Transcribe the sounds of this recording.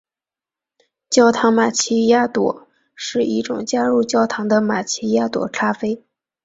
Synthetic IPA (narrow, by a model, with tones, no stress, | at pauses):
t͡ɕjɑ˥˩ʊt̪ʰɑ˧˥ŋma˨˩t͡ɕʰi˥ja˥t̪wɔ̰˧˨˥ | ʂɻ̩˥˩i˥˩ʈ͡ʂʊ̰˨˩ŋt͡ɕja˥ɻu˥˩t͡ɕjɑ˥˩ʊt̪ʰɑ˧˥ŋd̪ə˧ma˨˩t͡ɕʰi˥ja˥t̪wɔ̰˨˩˦ʈ͡ʂʰa˥fe˥ɪ